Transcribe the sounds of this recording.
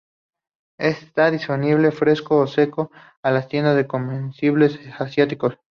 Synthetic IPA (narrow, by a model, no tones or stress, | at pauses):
est̪aðispo̞niβ̞le̞fɾe̞skoːse̞ko̞ | alast̪je̞nd̪azðeko̞mbensiβle̞sasjat̪iko̞s